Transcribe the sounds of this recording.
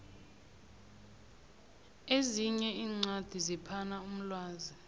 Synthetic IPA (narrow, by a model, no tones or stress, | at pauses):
eziɲɛiːŋ͡ǀad̥ʱizipʰanaum̩lwaːzi